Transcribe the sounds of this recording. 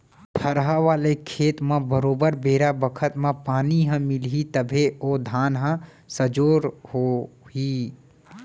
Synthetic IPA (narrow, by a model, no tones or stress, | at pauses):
pʰəɾɦaʋaːlekʰeːt̪mãbəɾoːbəɾbeːɾabəkʰət̪mãpaːniɦə̃mɪlɦit̪əbʱeoːd̪ʱaːnɦə̃ | səd͡ʒoːɾhoi